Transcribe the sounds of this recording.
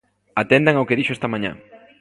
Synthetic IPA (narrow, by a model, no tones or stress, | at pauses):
at̪end̪aŋawkeðiʃoest̪ɐmãɲã̰